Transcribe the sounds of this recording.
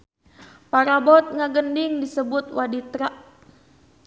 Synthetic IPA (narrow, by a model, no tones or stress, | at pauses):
paɾabɔt̪̚ŋaɡəndɪŋdisəbʊt̪̚wadit̪ɾaʔ